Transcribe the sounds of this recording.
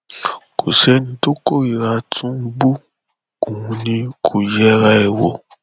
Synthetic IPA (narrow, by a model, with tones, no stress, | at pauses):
kʰo˨sɛ˦nĩ˧to˦ko˦˨ɾi˨ɾa˧tʰũ˦bu˦ | kũ˨ũ˧nĩ˧kʰo˨jɛ˦ɾa˦e˨wo˧˦